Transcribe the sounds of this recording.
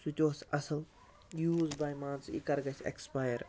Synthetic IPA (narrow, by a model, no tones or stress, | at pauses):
switʲoːsɐsəl | juːzbajmãːnsḭkɐɾɡɐsḛkspajəɾ